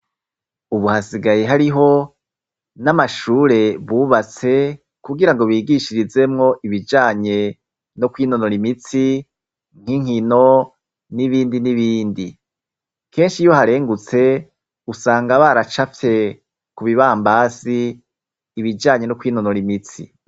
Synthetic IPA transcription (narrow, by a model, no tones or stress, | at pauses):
uβuhasiɡaje̞ɦaɾiɦo̞ | namaʃuːɾe̞βuːβat͡se̞ | kuɡiɾaŋɡo̞βiːɡiʃiɾize̞mŋo̞ʔiβid͡ʒaːɲe̞ | no̞kwiːno̞noɾimit͡si | ŋ̥hiŋ̥hino̞ | niβiːndiniβiːndi | kʰe̞ːnʃijo̞haɾe̞ːŋɡut͡se̞ | usaːŋɡaβaɾat͡ʃafje̞ | kuβiβaːmbaːsiː | βid͡ʒaːɲe̞nokwiːno̞noɾimit͡sḭ